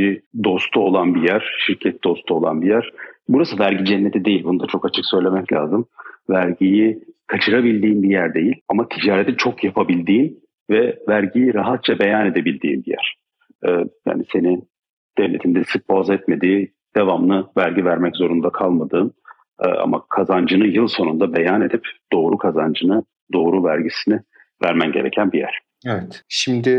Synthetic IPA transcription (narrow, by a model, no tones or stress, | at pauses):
id̪o̞st̪ʰuo̞lˠanbijæɾ̥ʃiɾcʰɛt̪̚d̪o̞st̪ʰuo̞lˠa̰nbijæɾ̥buɾasɯvæɾɟid͡ʒɛnːet̪ʰid̪e̞jilʲbunud̪at͡ʃʰo̞kat͡ʃʰɯksø̞jlʲe̞mɛclʲaːzɯmvæɾɟijikʰat͡ʃʰɯɾabilʲd̪iːnbijæɾd̪e̞jilʲamat̪ʰid͡ʒaːɾet̪ʰit͡ʃʰo̞kjapʰabilʲd̪iːn | vɛvæɾɟijiɾaɦat̪̚t͡ʃʰabe̞jane̞d̪e̞bilʲd̪ḭːnbijæ̰ɾ̥ | ɛːja̰ːnise̞ni | d̪̥evlʲe̞t̪ʰind̪ɛsɯk̚bazɛt̪me̞d̪iː | d̪̥evamnˠɯvæɾɟivæɾmɛczo̞ɾund̪akʰalˠmad̪ɯːm̰ː | ʔa̰ma̰kʰazand͡ʒɯnɯjɯlˠso̞nund̪abe̞jane̞d̪ipd̪̥o̞ːɾukʰazand͡ʒɯnɯ | d̪o̞ːɾuvæɾɟisinɪ | væɾmænɟe̞ɾe̞̰cʰænbijæ̰ɾ̥ | evɛt̪ʃimd̪ɪ